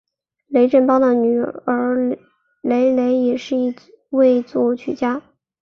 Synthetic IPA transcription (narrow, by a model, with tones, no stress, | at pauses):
le˧˥ɪʈ͡ʂə˥˩npɑ˥ʊd̪ə˨ny˨˩ə˞˧˥ | le˧˥ɪle˧˥ɪjɛ˨˩ʂɻ̩˥˧i˥˧ | we˥˧ɪt͡swɔ˥˩t͡ɕʰy˥˩t͡ɕja˥